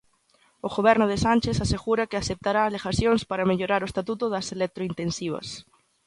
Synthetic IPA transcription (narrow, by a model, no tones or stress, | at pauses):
ʊɣoβ̞ɛɾnʊðɪsanʲt͡ʃesaseɣuɾɐkɪasep̚t̪aɾaːlexasjoŋspaɾɐmeʎoɾaɾʊest̪at̪ut̪ʊðɐselek̚t̪ɾoint̪ensiβ̞ɐ̰s